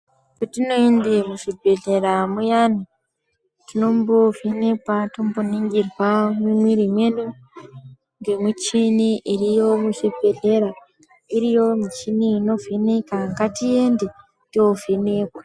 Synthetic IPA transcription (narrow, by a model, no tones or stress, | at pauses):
kutino̞endemuʐibʱe̞ɮe̞ɾamujani | tino̞mbovenekwatomboniŋɡirwamimwiɾimwenu | ŋɡe̞mwit͡ʃiniʔirijo̞muʂibʱe̞ɮe̞ɾa | iɾijo̞mit͡ʃiniːno̞venekaŋɡatiende | tiovene̞ːkwḁ